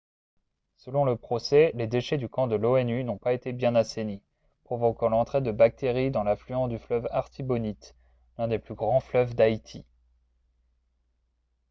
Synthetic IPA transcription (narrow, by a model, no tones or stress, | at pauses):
səlɔ̃ləpχɔsɛled̪eʃɛd̪ykɑ̃d̪əloɛnynɔ̃paet̪ebjɛ̃naseni | pχɔvɔkɑ̃lɑ̃t̪χed̪əbak̚t̪eʁid̪ɑ̃laflyɑ̃sd̪yflœvaʁt̪ibɔnit̪ | lɛ̃d̪eplyɡʁɑ̃flœvd̪ait̪ʰi